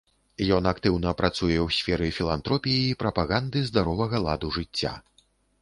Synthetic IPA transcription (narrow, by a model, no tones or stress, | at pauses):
jɔnakt̪ɨwnɐpɾat̪sujɛwsʲfʲɛɾɨfʲilˠant̪ɾɔpʲiiːpɾɐpaɣand̪ɨzd̪aɾɔvɐɣɐlˠa̰d̪uʐɨt͡sʲːa̰